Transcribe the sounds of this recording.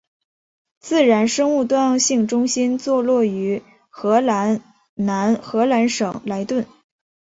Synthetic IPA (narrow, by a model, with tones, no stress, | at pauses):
t͡sɹ̩˥˩ɻa˧˥nʂɤ˥ŋu˥˧t̪wa˥˧nɑ˥˧ŋɕi˥˩ŋʈ͡ʂʊ˥ŋɕi˥nt͡swɔ˥˧lwɔ˥˩y˧˥ | xɤ˧˥la˧˥n | na˧˥nxɤ˧˥la˧˥nʂɤ˨˩ŋla˧˥ɪt̪wə˥˩n